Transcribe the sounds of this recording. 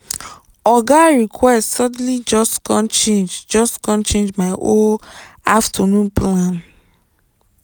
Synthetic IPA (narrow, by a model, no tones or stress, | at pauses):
ɔɡaɹikʰwɛssɔd̩̃lid͡ʒɔskɔ̃nt͡ʃẽnd͡ʒd͡ʒɔskɔ̃nt͡ʃẽnd͡ʒmaɪʔõaftʰɔnũnplãn